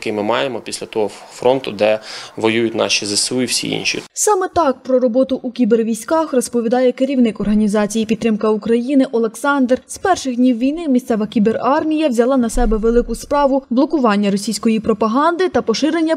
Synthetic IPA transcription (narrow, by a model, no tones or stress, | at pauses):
kɪmɪmɑjemɔpʲisʲlʲɐt̪ɔɦɔfɾɔnt̪ʊd̪ɛʋɔjujʊt̪ʲnɑ̰ʃizɐsɪlˠiwsʲḭḭnʃʲḭsɑmɛt̪ɑk̚pɾɔɾɔbɔt̪ʊʔukʲiberʋʲijsʲkɑxrɔspɔʋʲid̪ɑjɛkeɾʲiwnɪkɔrɦɐnʲizɑt͡sʲijipʲid̪t̪ːɾɪmkɐukɾɐjinɪʔɔlˠeksɑnd̪rz̥pɛrʃɪxd̪ʲnʲiwʋʲijnɪmʲisʲt̪sɛʋɐkʲiberɑrmʲijɐwzʲɐlˠɑnɐsɛbɛʋelˠɪkʊspɾɑʋʊblˠɔkʊʋɑnʲːɐɾɔsʲijsʲkɔjipɾɔpɐɦɑnd̪ɪt̪ɐpɔʃɪɾenʲːɐ